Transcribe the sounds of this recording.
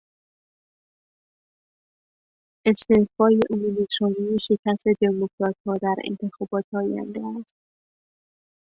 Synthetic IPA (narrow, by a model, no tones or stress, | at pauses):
ʔe̞st̪ehfɒːjeʔomumit̪ɾɒːnijeʃe̞cʰæst̪e̞d̪emokʰɾɒːt̪̚hɒːd̪æɾḛnt̪ʰe̞xɒːbɒːt̪ʰɒːjæ̰nd̪eæst̪̚